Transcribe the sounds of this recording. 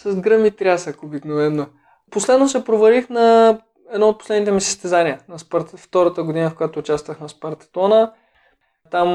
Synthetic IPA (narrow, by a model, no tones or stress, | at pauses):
sɐzɡɾəmit̪ɾʲasəkobiknovɛnːo | poslɛd̪nosɛpɾovɐɾixnɐ | ɛd̪nɔot̪̚po̥slɛd̪nit̪ɛmisə̥st̪ɛzaniənɐspɐɾt̪ft̪ɔɾət̪əɡod̪inəfkʊjat̪oːt͡ʃast̪vəxnɛspɐɾt̪ɐ̥t̪ɔnə | t̪am